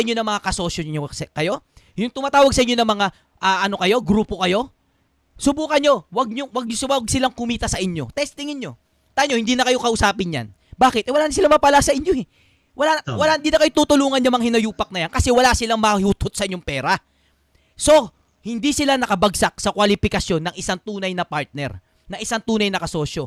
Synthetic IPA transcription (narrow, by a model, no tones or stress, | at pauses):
ʔɪɲːonɐŋmɐŋakɐso̞sjookɐjo̞ | jʊŋt̪ʊmaːt̪aːwɐɡ̚sɐʔɪɲonɐŋmɐŋa | ʔaːʔɐno̞kɐjo̞ɡɾuːpo̞kɐjo̞ | sʊbuːkɐnɲo̞wɐɡ̚ɲowɐɡ̚ɲswɐɡ̚sɪlaŋkʊmiːt̪ɐsɐʔɪɲːo̞t̪ɛst̪ɪŋɪnɲo̞ | t̪aːɲohɪnd̪iːnɐkɐjo̞kɐʔʊsaːpɪnja̰n | baːkɪt̪ʔɛwɐlaːnɐs̬ɪlamɐpalasɐʔɪɲːo̞hɛ | wɐlawɐlahɪnd̪iːnɐkɐjot̪uːt̪ʊluːŋɐnjɐmɐŋhɪnɐjuːpɐk̚nɐjankɐsɛwɐlasɪlaŋmɐhuːt̪ʰot̪̚sɐʔɪɲoŋpɛːɾɐ | so̞ | hɪnd̪isɪlanɐkɐbɐɡsak̚sɐkwalɪpɪkɐsjo̞nːɐŋʔɪsaŋt̪uːnɐjnɐpaɹt̪̚nɛ̰ɾ | nɐŋʔɪsaŋt̪uːnɐjnɐkɐso̞ːʃo̞